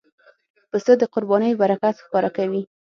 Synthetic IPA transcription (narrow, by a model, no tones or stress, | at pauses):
pəsəd̪əqʊɾbɑnəjobaɾakat̪xkɑɾakawi